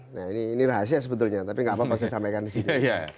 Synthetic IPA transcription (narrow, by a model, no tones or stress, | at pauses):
nainiːniraɦasiasəbət̪ʊlɲat̪apiŋɡapapas̬ajsampajkandisit̪ua